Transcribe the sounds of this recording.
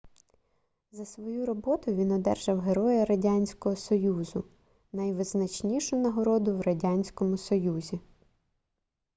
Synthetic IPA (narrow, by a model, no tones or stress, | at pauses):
zɐsʋɔjuɾɔbɔt̪ʊjʋʲinɔd̪ɛrʒɐwɦeɾɔjɐɾɐdʲanʲsʲkɔɦɔsɔjuzʊ | nɐjʋɪznɐt͡ʃnʲiʃʊnɐɦɔɾɔd̪ʊwɾɐdʲanʲsʲkɔmʊsɔjuzʲi